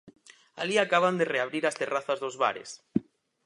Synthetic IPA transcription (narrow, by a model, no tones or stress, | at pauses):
a̰liakaβand̪ereaβɾiɾast̪eraθazðozβa̰ɾḛs